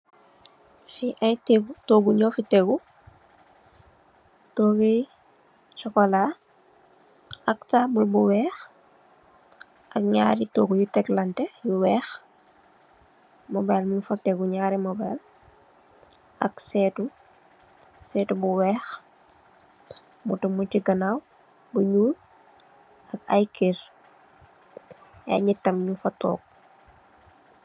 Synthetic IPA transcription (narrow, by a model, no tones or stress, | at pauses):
fiʔɐjtɛɡutoːɡuɲɔfitɛɡu | tɔːɡɛ | t͡ʃɔkɔla | ɐktaːbulbuwɛːx | ʔɐk̚ɲa̰ːɾitoːɡujutɛklɐntɛjuwɛːx | mɔbaːlmɲufɐtɛɡuɲaːɾimɔbaːl | ʔɐksɛːtu | sɛːtubuwɛːx | mutumuciɡɐnaw | buɲuːl | ɐka̰jkeɾ | ɛ̰ɲitːɐmɲufɐtɔ̰ːk̚